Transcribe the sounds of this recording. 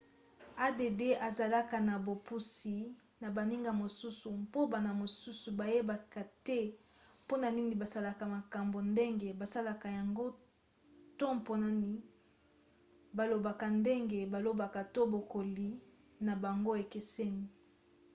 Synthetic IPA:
a˦de˨de˦ʔa˨za˨la˦ka˨na˨bo˨pu˦si˨ | na˨ba˨ni˦ŋɡa˨mo˨su˦su˨mpo˦ba˨na˨mo˨su˦su˨ba˨je˦ba˨ka˨tɛ˦ | po˦na˨ni˦ŋi˨ba˨sa˦la˨ka˨ma˨ka˨mbo˨nde˦ŋɡe˨ba˨sa˦la˨ka˨ja˨ŋɡo˦ | to˦mpo˨na˦ni˨ | ba˨lo˨ba˨ka˨nde˦ŋɡe˨ba˨lo˦ba˨ka˨to˦bo˨ko˨li˨ | na˨ba˨ŋɡo˦e˨ke˨se˦ni˨

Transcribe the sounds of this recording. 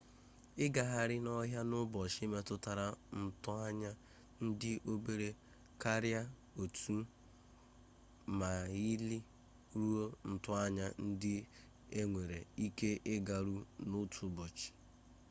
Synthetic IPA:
ɪ˦ɡa˨ɦa˨ɾɪ˦nɔ˦ɦja˦nʊ˦bɔ˨ʃi˦me˦tʊ˦ta˨ɾa˨n̩˨tʊ˦a˦ɲa˦ | n̩˦dɪ˦ʔo˦be˦ɾe˦ | ka˦ɾja˦ | o˨tu˦ | ma˨i˦li˦ | ɾu˦o˦n̩˨tʊ˦a˦ɲa˦n̩˦dɪ˦ | e˦ŋʷe˨ɾe˨i˦ke˦ʔɪ˦ɡa˨ɾu˦nʊ˦tʰu˨˦bɔ˨t͡ʃi̥˨

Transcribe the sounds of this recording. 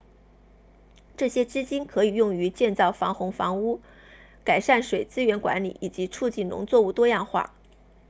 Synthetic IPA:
ʈ͡ʂɤ˥˩ɕjɛ˥t͡ɕ̩˥t͡ɕi˥nkʰɤ˧˥i˨˩jʊ˥˩ŋy˧˥t͡ɕjɛ˥˧nt͡sɑ˥˩ʊfɑ˧˥ŋxʊ˧˥ŋfɑ˧˥ŋu˥ | ka˨˩ɪʂa˥˩nʂwe˨˩ɪt͡sɹ̩˥ɥɛ˧˥nkwa̰˧˥nli˨˩ʔi˨˩t͡ɕi˧˥t͡sʰu˥˧t͡ɕi˥˩nlʊ̰˧˥ŋt͡swɔ˥˧u˥˩t̪wɔ˥jɑ˥˧ŋxwa̰˥˩

